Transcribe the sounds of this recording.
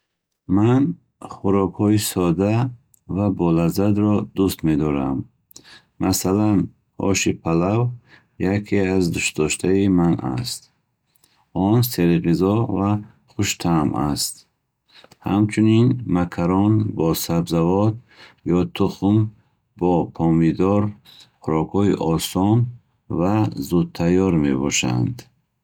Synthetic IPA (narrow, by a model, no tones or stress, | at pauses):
man | χuɾɔkhɔisɔd̪a | vabɔlazad̪ɾɔd̪ust̪me̞d̪ɔɾamː | ʔasalan | ɔ̰ʃipʰalav | jakʰiazd̪uʃ̚d̪ɔʃt̪ʰaimana̰st̪̚ | ɔnseɾiʁizɔva | χuʃt̪ʰamast̪̚ | ha̰mt͡ʃʰuninmakʰaɾɔnbɔsabzavɔt̪ | jɔt̪ʰuχum | bɔpʰɔmid̪ɔɾχuɾɔkhɔiʔɔsɔn | vazud̪̚t̪ʰːajɔɾme̞̰bɔ̰ʃa̰nd̪